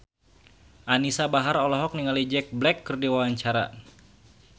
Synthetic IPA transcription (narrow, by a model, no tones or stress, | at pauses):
ʔanisabaɦaɾɔlɔɦɔk̚niŋalid͡ʒɛk̚blɛkːərdiwawaɲt͡ʃaɾa̰